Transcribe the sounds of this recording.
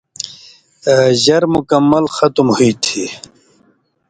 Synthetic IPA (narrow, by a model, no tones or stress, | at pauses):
ʑɐɾmukɐmːɐlxɐt̪umhuit̪ʰi